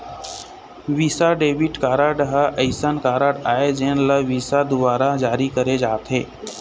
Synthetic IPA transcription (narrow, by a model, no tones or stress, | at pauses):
ʋiːsaɖeːʋɪʈkaːɾaːɖəɦaʔəɪsənkaːɾaːɖaːed͡ʒeːnlaʋiːsad̪ʊbaːɾad͡ʒaːɾikəɾed͡ʒaːt̪ɦeː